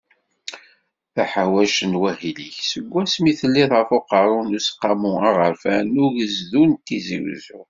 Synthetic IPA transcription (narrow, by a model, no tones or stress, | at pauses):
θæħawæʃənwæhiliçsəɡʷːæsmiθəlːiðˤʁəfoqɑɾˤʊnusqːɑmuɑʁəɾfænʊʝəzðunt̪ːizḭwzʊ